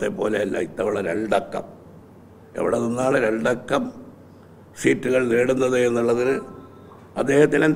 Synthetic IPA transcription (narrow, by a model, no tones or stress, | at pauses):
t̪ːepːo̞ːleɐlːɐ̰it̪ːɐʋiɭːɐɾe̞ɳɖɐkːɐ̰m | ḛʋḭɽeninːaːɭɨɾeɳɖɐkːɐm | siːtːuɣɐɭneːɽunːɐðɨenːuɭːɐðinɨ | ɐd̪ːe̞ːhɐt̪ːinen